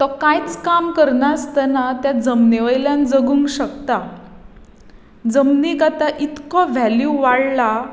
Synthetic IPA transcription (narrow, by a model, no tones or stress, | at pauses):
t̪ɔkajt͡skamkəɾnast̪ənat̪jad͡zəmneʋəjljãnd͡zəɡuːŋɡɕəkt̪a | d͡zəmniːkat̪aʔit̪kɔʋɛljuʋaɽla